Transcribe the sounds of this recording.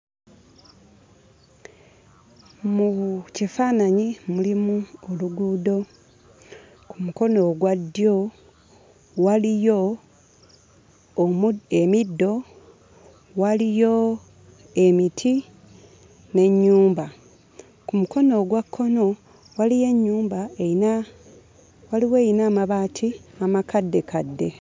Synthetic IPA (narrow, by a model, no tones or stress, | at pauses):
muβucifaːnaɲimulimuoluɡuːdo̞ | kumuko̞no̞ɡwadːjo̞ | walijo̞ | emidːo̞ | walijo̞ | e̞mitʰi | ne̞ɲːuːmba | kumuko̞no̞ɡwakʰːo̞no̞ | walije̞ɲːuːmbaeina | waliwe̞jinaːmaβatʰiamakadːe̞kadːe̞